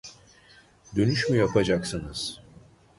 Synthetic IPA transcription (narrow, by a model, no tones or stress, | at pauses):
d̪ø̞nyʃmyjapʰad͡ʒaksɯnɯz̥